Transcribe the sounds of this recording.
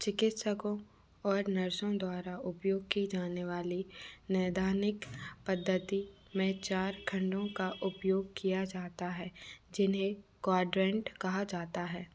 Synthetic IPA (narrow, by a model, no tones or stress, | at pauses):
t͡ʃɪkɪt̪səkõ | ɔːɾnɐɾʃõd̪waːɾaʊpjoːɡ̚kid͡ʒaːneʋaːlinɛːd̪ʱaːnɪkpɐd̪ʱːət̪i | mẽt͡ʃaːɾkʰɐ̃ɳɖõkaʔʊpjoːɡ̚kijad͡ʒaːt̪aɦɛːd͡ʒɪnɦekwaːɖɾɛ̃ɳʈkɐɦad͡ʒaːt̪aɦɛː